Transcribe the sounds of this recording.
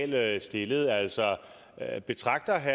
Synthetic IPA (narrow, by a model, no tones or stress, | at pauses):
lsd̥e̝ləð̞̩ˠæl̰sɒ | b̥e̝t͡sʰʁɑ̈ɡ̥̚d̥ɐɦæ